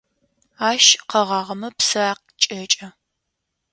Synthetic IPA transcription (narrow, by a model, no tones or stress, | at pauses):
aːʃqɐʁɑːʁɐmɐpsɐq̚ | t͡ʃʼɐt͡ʃʼɐ